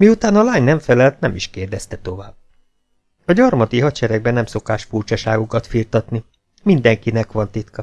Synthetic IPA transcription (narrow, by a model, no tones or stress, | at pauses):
miut̪aːnɒlaːɲnɛɱfɛlɛlt̪nɛmiʃkeːrd̪ɛst̪ɛt̪o̞vaːb̥̚ | ɒɟɒrmɒt̪iɦɒt͡ʃɛɾɛɡ̚bɛnɛmso̞kaːʃfurt͡ʃɒʃaːɡukɒt̪fiːrt̪ɒt̪ni | mind̪ɛŋkinɛkʋɒnt̪it̪kɒ